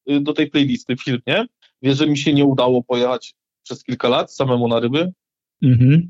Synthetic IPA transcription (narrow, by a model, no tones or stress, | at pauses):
d̪ɔt̪ɛjplɛjlʲist̪ɘfʲilmɲɛ | vʲjɛʐɛmʲiɕɛɲɛud̪awɔpɔjɛxat͡ɕ | pʂɛskʲilkalat̪samɛmunaɾɘbɘ | m̩ɦm̩